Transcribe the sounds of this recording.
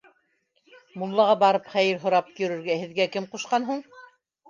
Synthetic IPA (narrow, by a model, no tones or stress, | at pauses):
mulˠːɑʁɑbɑɾɤpχæjɘɾɦŏɾɑp̚jɵ̆ɾɵ̆ɾɡæhɘ̆ðɡækɘmquʃqɑnɦuɴ